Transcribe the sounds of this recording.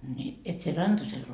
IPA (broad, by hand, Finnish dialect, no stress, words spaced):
ni et sie rɑntɑsel